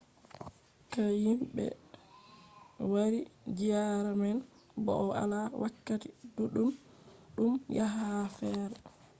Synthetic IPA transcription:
kajimɓɛ̰ | waɾid͡ʒijaɾamɛn | bɔ̰ʔɔa̰lawakːatiduɗum | ɗumjaɦafɛːɾɛ

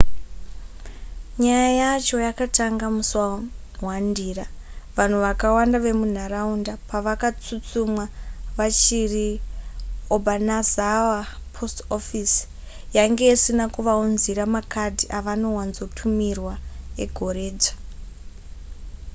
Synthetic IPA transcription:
ɲajajat͡ʃo̞jakataŋɡamuswa | ɦwandira | ʋan̤uʋakawandaʋe̞mun̤araundapaʋakat͡sut͡sumwaʋat͡ʃiri | obʱanazawa | pʰostofis | jaŋɡe̞isinakuʋaunziɾamakadʱiʔaʋano̞wanzo̞tʰumirwae̞ɡʱo̞re̞ːd͡ʒḁ

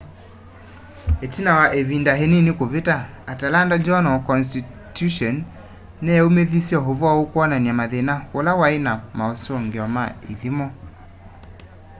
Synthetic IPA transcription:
etinawaʔeβindaɦeninikoβetaː | talandad͡ʒɔnɔkɔnsti | tuʃɔnː | ɛomeðisjɔɦovwaokwɔnaniamaðenaolawaenamaosoŋɡeɔma̰iðimɔ

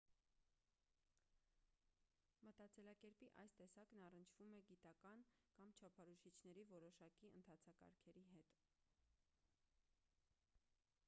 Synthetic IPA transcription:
mət̪ɑt͡sɛlɑkɛɾpiʔɑ̰jst̪ɛsɑknɑrənt͡ʃʰv̥umɛɡit̪ɑkɑnkɑmt͡ʃʰɑpʰɑɾuʃit͡ʃʰn̪ɛɾivɔɾɔʃɑkiə̰nt̪ʰɑt͡sʰɑkɑ̰ɾkʰɛɾiɦɛt̪

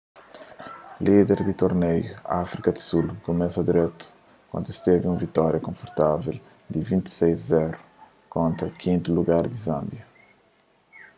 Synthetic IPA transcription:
lid̪ɛɾd̪it̪oɾnejṵafɾikɐd̪i̥sulkomɛsɐd̪iɾɛt̪u̥ | kwɐ̰̃nd̪uist̪eviũvit̪ɔɾjɐkõfoɾt̪avel | d̪ivĩnt̪i̥sejzzɛɾu | kõnt̪ɾɐkʰĩnt̪uluɡaɾd̪izɐ̃mbjɐ

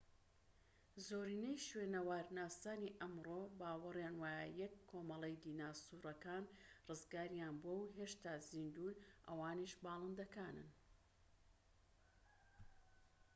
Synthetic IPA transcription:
zoːɾiːnejʃweːnɐwaːɾnaːsaːniʔɐmroːbaːwɨrjaːnwaːjəjɛkʰːoːmɐlˠejd̪iːnaːsuːɾɐkaːnrɨzɡaːɾjaːnbuɐwɦeːʃt̪aːzind̪uːnʔɐ̰waːniʃbɑːlˠɨnd̪ɐkaːnɨ̰n

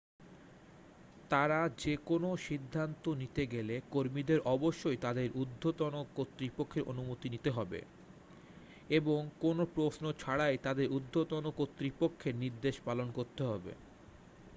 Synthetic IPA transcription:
t̪aɾad͡ʑekonoʃid̪ʱːant̪onit̪eɡelekoɾmid̪eɾʔɔboʃːojt̪ad̪eɾʔud̪ʱːot̪onokot̪ːɾipokʰːeɾʔo̰numot̪init̪eɦɔbḛ | eboŋkonopɾosnot͡ɕʰaɽajt̪ad̪eɾud̪ʱːot̪onokot̪ːɾipokʰːeɾniɾd̪eʃpalonkoɾt̪eɦɔbḛ

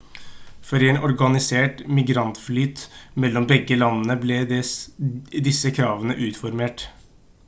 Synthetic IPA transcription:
fɔɾɛːnɔɾɡɑnɪseːʈmɪɡɾɑnt̪flyːt̪mɛlːɔmbɛɡːəlɑnːənəblɛ | d̪ɪsəkʰɾɑːʋənə̰ʔʉːt̪fɔɾmeːʈ

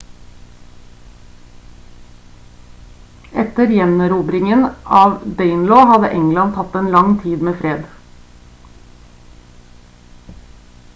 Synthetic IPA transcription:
ʔɛt̪əɾjɛnɾuːbɾɪŋənʔɑːʋd̪eɪnloːhɑd̪ə̰ʔɛŋlɑnt̪ʰɑt̪eːnlɑŋt̪ʰiːd̪meːfɾeːd̪

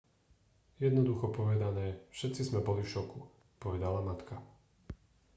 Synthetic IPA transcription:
jɛd̪nɔd̪uxɔpɔʋɛd̪anɛːfʃɛt̪t͡sizmɛbɔlifʃɔku | pɔʋɛd̪alamat̪ka

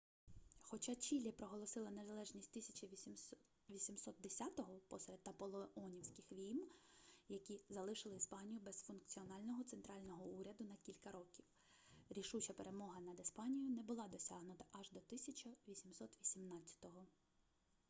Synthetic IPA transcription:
xɔt͡ʃɑt͡ʃʲilʲipɾɔɦɔlˠɔsɪlˠɐnezɐlˠɛʒnʲisʲtʲt̪ɪsʲɐ̥t͡ʃɐ | ʋʲisʲimsɔt̪̚d̪esʲat̪ɔɦɔpɔsɾed̪ɐpɔlˠɔɔnʲiwsʲkɪxʋʲijmjɐkʲizɐlˠɪʃɪlˠɪispɑnʲijʊbɛzfʊnk̚t͡sʲiɔnɑlʲnɔɦɔt̪sent̪ɾɑlʲnɔɦɔuɾʲɐd̪ʊnɐkʲilʲkɐɾɔkʲiw | ɾʲiʃut͡ʃɐpeɾe̞mɔɦɐnɐd̪ɪspɑnʲijʊnɛbʊlˠɑd̪ɔsʲɑɦnʊt̪ɐ̥ʔɐʒd̪ɔt̪ɪsʲɐt͡ʃɐʋʲisʲimsɔt̪ʋʲisʲimnɑtt͡sʲːɐ̥t̪ɔɦɔ

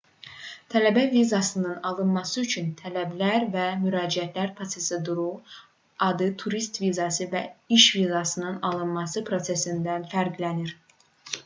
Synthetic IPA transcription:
t̪ʰælæbævizɑsɯnɯnɑlˠɯnmɑsɯyt͡ʃʰynt̪ʰælæblæɾvæmyɾɑːd͡ʒiæt̪ʰlæɾpʰɾo̞t̪se̞sɯd̪uɾu | ɑd̪ɯt̪ʰuɾist̪vizɑsɯvæ̰iʃvizɑsɯnɯnɑlˠɯnmɑsɯpʰɾo̞sesind̪ænfæɾɡlæniɾ

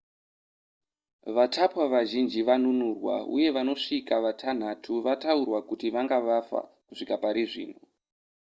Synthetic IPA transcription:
ʋatʰapwaʋaʒind͡ʒiʋanunurwa̰ṵje̞ʋano̞ʂikaʋatʰan̤atʰuʋataurwakutiʋaŋɡaʋafa̰ | kuʂikapaɾiʐḭːn̤ṵ

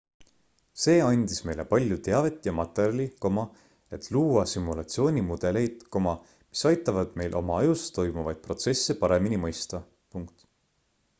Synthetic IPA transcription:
se̞ːɑnʲd̪̥isme̞jle̞pɑlʲjut̪e̞ɑve̞t̪ːˑjɑmɑt̪ːˑerʲjɑlʲiko̞mɑ | e̞t̪luːɑsimːulɑt̪sio̞ːnʲimud̪̥e̞le̞jd̪̥ko̞mɑ | mi̥sɑjt̪ˑːɑvɑd̪̥me̞jlʔo̞̰mɑɑjust̪o̞jmuvɑjd̪̥̚pro̞t̪sesːepɑɾe̞minimɤjst̪ɑ | puŋk̚t̪

